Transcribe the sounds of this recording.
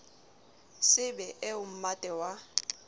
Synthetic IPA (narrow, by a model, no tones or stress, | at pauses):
sɪbɛʔɛʊm̩matʼɛwa